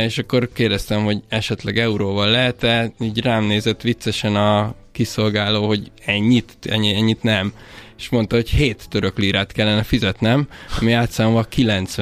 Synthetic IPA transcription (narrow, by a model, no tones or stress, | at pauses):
eːʃɒkːo̞rkeːrd̪ɛst̪ɛmho̞ɟɛʃɛt̪lɛɡɛuɾoːvɒlːɛɦɛt̪ɛiːɟraːmneːzɛt̪ːʋit̪sɛʃɛnɒ | kiso̞lɡaːloːɦo̞ɟɛɲːit̪ɛ̰ɲːiɛɲːit̪nɛm | eʃmo̞nt̪ɒɦo̞cheːt̪ːøɾøkliːɾaːt̪kɛlːɛnɛfizɛt̪nɛmɒ̰miaːt̪saːmvɒkilɛnt̪sʋ